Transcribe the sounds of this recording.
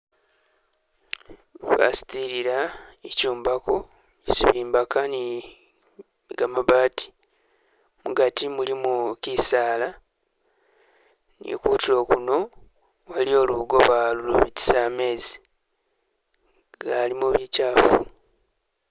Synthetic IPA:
βa̰si̥tiɾiɾaecuːmbako | ciβiːmbakani | ɡamaβaːti̥ | muɡatimulimukisaːla | nḭkuːtilo̞ːkuno̞ | walio̞ːluɡo̞βaluluβiti̥same̞ːzi | ɡalimuβicaːfu

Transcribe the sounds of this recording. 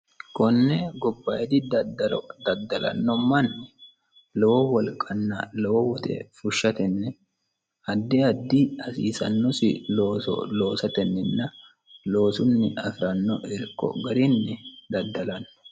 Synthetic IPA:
kɔnːɛɡɔbːɐjd̪ɪd̪ɐd̪ɐlɔd̪ɐd̪ːɐlɐ̰nːɔmɐnːɛ | lɔwɔwɔlkʼːɐnːɐlɔwɔwʊt̪ʰɛ̰fʊʃːɐt̪ɛnːɛ | ɐd̪ːɛɐd̪ːɪɐsḭːsɐ̰nːɔsɪ̰loːsɔ̰loːsɐt̪ɛnːɪnːɐ | lo̞ːsʊnːɪʔɐfɪɾɐnːɔʔɛɾkːɔ̰ɡɐɾɪnːɛd̪ɐd̪ːɐlɐnːɔ̥

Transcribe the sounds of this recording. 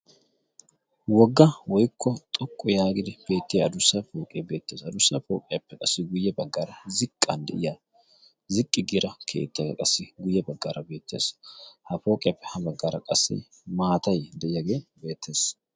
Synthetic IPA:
wɔɡːɐwɔjkʰːɔt̪ʼɔkʼːɔjaːɡɪd̪ɪb̥e̞ːt̪ːɪjɐɐd̪ʊsːɐfo̞ːkʼebe̞ːt̪ːeːsɐd̪ʊsːɐfo̰ːkʼɪjɐpːɛkʼɐsːɪɡʊjːɐbɐɡːaːɾɐzɪkʼːɐnd̪ɛ̰ʔɪja | zɪkʼːɪɡɪɾɐkʰe̞̰ːt̪ːɡɛ̰kʼɐsːɪɡʊjːɐbɐɡːaːɾʔɐbe̞ːt̪ːe̞ːshɐfo̞ːkʼɪjɐpːɛ̥hɐbɐɡːaːɾɐkʼɐsːɪ̰ | maːt̪ɐjd̪ɛʔɪjɐɡe̞ːbe̞ːt̪ʰːe̞ːs

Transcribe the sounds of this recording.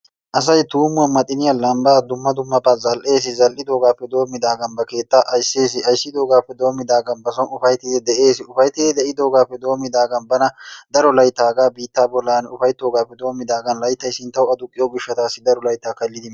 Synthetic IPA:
ʔɐs̬ɐjt̪uːmʊɐnmɐt̪ʼɪnɪjɐlɐmbaːd̪ʊmːɐd̪ʊmːɐpʼazɐlʔe̞ːs̬ɪzɐlʔɪd̪o̞ːɡaːpːɛd̪o̞ːmːɪd̪aːɡɐnbɐke̞ːt̪ːaːʔɐjseːs̬ɪɐjsːɪd̪o̞ːɡaːpːɛd̪o̞ːmːɪd̪aːɡɐnbɐsɔnʊfɐjt̪ːɪd̪ɛd̪ɛʔe̞ːsɪʊfɐjt̪ːɪd̪ɛd̪ɛʔɪd̪o̞ːɡaːpːɛd̪o̞ːmːɪd̪aːɡɐnbɐnɐd̪ɐɾɔlɐjt̪ːaːɡaːbiːt̪ːaːbɔlːaːnʊfɐjt̪ːoːɡaːpːɛd̪o̞ːmːɪd̪aːɡɐnlɐjt̪ːɐjsɪnt̪ːɐwʊɐd̪ʊkʼːɪjoːɡɪʃːɐt̪aːsːɪd̪ɐɾɔlɐjt̪ːaːkɐlːɪd̪ɪm

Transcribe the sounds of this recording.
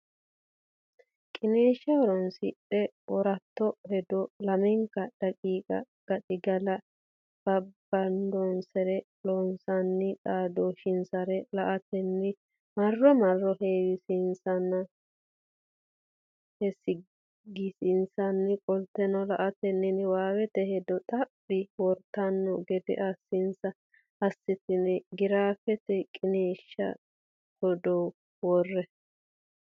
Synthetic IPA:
kʼɪneːʃɐwɔɾɔnsɪᶑɛʔɔɾɐt̪ːɔhɛd̪ɔlɐmɛŋkːɐd̥ɐkʼiːkʼɐ̰ɡ̥ɐᶑʼɪɡɐlɐ | b̥ɐbːɐnd̪ɔnsɛɾɛ | lɔnsɐnːɪᶑaːd̪oʃɪnsɐɾɛlɐʔɐt̪ɛnːɪ | mɐrːɔmɐrːɔheːwɪsɪnsɐnːɐ | hɛsɪ | ɡɪsɪnsɐnːɪkʼɔlt̪ːɛnɔlɐʔɐt̪ɛnːɪnɪwaːwɛt̪ɛhɛd̪ɔt̪ʼɐpʼːɪwɔɾt̪ɐnːɔɡɛd̪ɛ̰ʔɐsːɪnsɐ | ɐsːɪt̪ɪnɛɡɪɾaːfɛt̪ɛkʼɪneːʃːɐ̰ | hɔd̪o | wɔrːɛ

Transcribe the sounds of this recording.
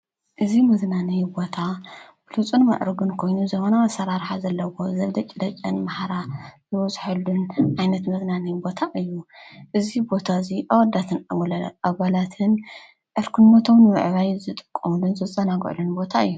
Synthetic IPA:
ʔɨzimɐznanɨjbo̞t̪ʰabɨlut͡sʼunmɐ̰ʔɾɨɡunkʰo̞jnuzɐxonawasɐɾaɾħazɐlːɐwo̞zɐld̪ɐt͡ʃʼɪd̪ɐt͡ʃʼːɐnmaħaɾazɨwɐsʼħɨlunʕajnɐt̪mɐznanɨjbo̞t̪ʰaʔɨjːuʔɨzibo̞t̪ʰaziʔawɐd̪at̪ʰɨnʔaβalat̪ʰɨn | ʔɨɾkʰunmot̪ʰomnɨmɨ̰ʕβajzɨt̪ʼɨ̥kʼːɐmulunzɨt͡sʼɐnaɡ̰ʕlunbo̞t̪ʰaɨjːu

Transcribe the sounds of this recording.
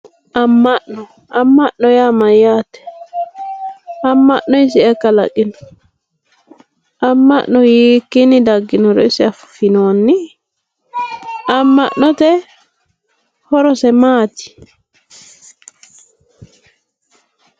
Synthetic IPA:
ʔamːaɗːɔ | ʔamːaʔɗːɔjamajatɛ̥ | ʔamːaɗːɔisiɛkala̰kinɔ | ʔamːa̰ʔːɔjikːinidaɡːinɔɾɔisiafufinonːi | ʔamːaɗːɔtɛ | hɔɾɔsɛmaːti̥

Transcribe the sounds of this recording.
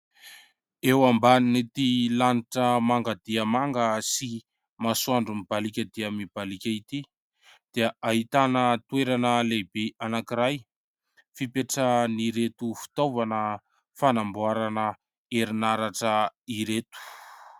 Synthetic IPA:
ewambaninet̪ilaniʈ͡ʂəmaŋɡad̪iəmaŋɡəsi | masuaɳɖ͡ʐumibalikʲəd̪iəmib̥alikʲəit̪i | d̪̥iəʔaɦit̪anət̪weɾanəlebeanakiɾaj | fipeʈ͡ʂəniɾet̪ufi̥t̪ovanə | fanambuaɾanə | eɾinaɾaʈ͡ʂəiɾet̪u̥

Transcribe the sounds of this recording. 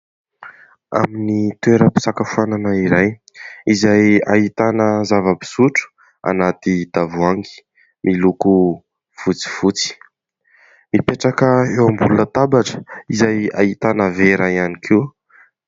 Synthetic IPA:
a̰minit̪weɾəpi̥sakəfuananəiɾaj | izaja̰ɦit̪anəzavəbi̥suʈ͡ʂu̥ | a̰nat̪id̪̥avuaŋɡi̥ | mʔiluku | fut͡si̥fut͡si̥ | mipeʈ͡ʂakəewambulunət̪abaʈ͡ʂə̥izaja̰ɦit̪anəveɾaianikʰiw

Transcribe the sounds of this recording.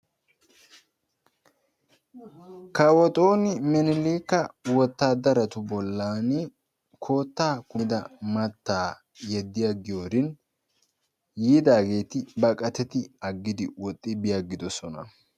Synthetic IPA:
kɐwɔt̪ʼo̞ːnɪmɛnɪliːkːɐwɔt̪ːaːd̪ɐɾɐt̪ʊbɔlːaːnɪ | kʰo̞ːt̪ːaːkʊd̪ɐmɐt̪ːaː | jɛd̪ːɪjaɡɪjoːɾɪn | jiːd̪aːɡe̞ːt̪ɪbɐkʼɐt̪ɛt̪ɪɐɡːɪd̪ɪwɔt̪ʼːɪbɪjaɡɪd̪ɔsɔnɐ̰

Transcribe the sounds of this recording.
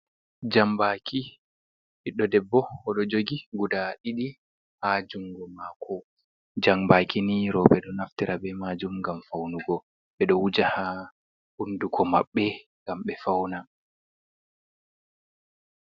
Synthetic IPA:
d͡ʒambakʰi | hiɗːɔdɛbːɔɔɗɔd͡ʒoɡiɡudaɗiɗi | had͡ʒuŋɡɔmakʰɔ | d͡ʒambakiniɾɔɓɛɗɔnaftiɾʔabɛmaːd͡ʒumɡamfawnuɡɔ | ɓɛɗɔwud͡ʒaha | hundukʰɔmaɓːɛŋɡamɓɛfawna

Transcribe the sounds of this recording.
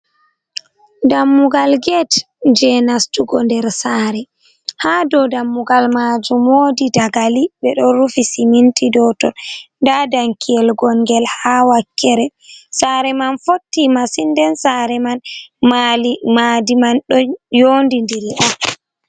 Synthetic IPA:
damːuɡalɡɛt | d͡ʒɛnastuɡɔndɛɾsaɾɛ | hadɔdamːuɡalmad͡ʒumoːdidaɡalibɛɗɔɾufisimintʼidɔtɔnndadaŋkʰijɛlɡɔŋɡɛlhawakʰːɛɾɛsaɾɛmanfotːimasindɛnsaɾɛmanmalmadimanɗɔjoːndindiɾiʔɔn

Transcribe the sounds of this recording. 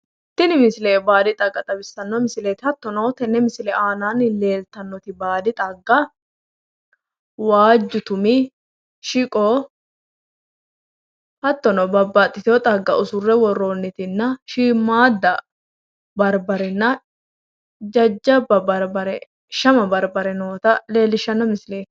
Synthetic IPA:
t̪ːɪnɪmɪsɪleːbaːd̪ɪt̪ʼɐɡːɐt̪ʼɐbɪsːɐnːɔmɪsɪleːt̪ɪhɐt̪ːɔnoːt̪ɛnːɛmɪsɪlɛʔaːnaːnle̞ːlt̪ɐnːɔt̪ɪbaːd̪ɪt̪ʼɐɡːɐ | waːd͡ʒːʊt̪ʊmɪ | ʃɪkʼɔː | hɐt̪ːɔnoːbɐbːɐt̪ʼːɪt̪ɪɔt̪ʼɐɡːɐʔʊsʊrːɛwɔrːoːnːɪt̪ɪnːɐʃiːmːaːd̪ːɐ | bɐɾbɐɾɛnːɐ | d͡ʒɐd͡ʒːɐbːɐbɐɾbɐɾɛ | ʃɐmɐbɐɾbɐɾɛnoːt̪ɐle̞ːlːɪʃːɐnːɔmɪsɪle̞ːt̪ɪ̥

